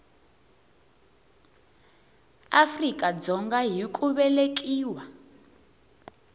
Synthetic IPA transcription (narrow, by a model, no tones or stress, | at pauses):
afrikʼad͡zɔŋɡaɦikʼuβɛlekʼiːwa